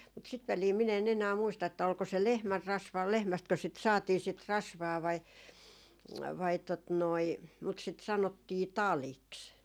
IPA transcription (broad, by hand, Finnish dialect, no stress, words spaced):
mut sit ʋæliː min en enæː muistɑ etːæ olko se lehmærːɑsʋɑː lehmæstkø sit sɑːtiː sit rɑsʋɑː ʋɑi ʋɑi tot noi mut sit sɑnotːiː tɑliks